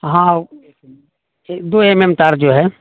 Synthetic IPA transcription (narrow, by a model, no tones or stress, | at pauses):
ɦã | d̪oːememt̪aɾd͡ʒoːɦɛ